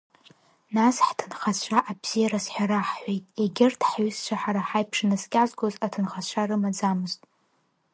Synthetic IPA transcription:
nasħtʰɨnχat͡ɕʷʰaʔabz̥ijaɾasħʷᶣaɾaħħʷejtʼeɡʲɪrtʰħɥʏst͡ʃʷʰaħaɾaħajpʰʂnɨskʲʼazɡozatʰɨnχat͡ɕʷʰarɨmad͡zamɨztʼ

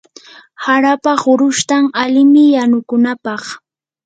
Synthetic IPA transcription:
haɾapaχʊɾʊʃt̪aŋalɪmɪjanʊkʊnapɑχ

